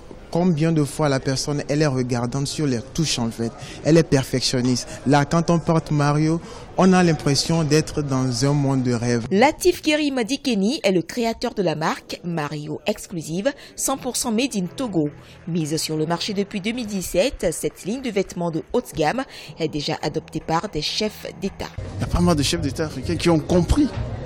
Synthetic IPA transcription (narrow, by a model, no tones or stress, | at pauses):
kɔ̃bjɛ̃d̪əfwalapɛʁsɔnɛlɛʁəɡaʁd̪ɑ̃t̪syʁlɛt̪uʃɑ̃fɛt̪ | ɛlɛpɛʁfɛksjɔnist̪lakɑ̃t̪ɔ̃pɔʁt̪maʁjo | ɔ̃nalɛ̃pχesjɔ̃d̪ɛt̪χəd̪ɑ̃zɛ̃mɔ̃d̪ːəʁɛvlat̪ifkeʁimad̪ikeniɛləkχeat̪œʁd̪əlamaʁkmaʁjo̰ɛksklyziv | sɑ̃puʁsɑ̃med̪int̪oɡo | mizsyʁləmaʁʃed̪əpɥid̪əmild̪isɛt̪sɛt̪liɲd̪əvɛt̪mɑ̃d̪əot̪ɡamɛd̪eʒa̰ʔad̪ɔp̚t̪epaʁd̪ɛʃɛfd̪et̪a̰japamald̪əʃɛfd̪et̪aːfχikʲɛ̃kʲiɔ̃kɔ̃pχi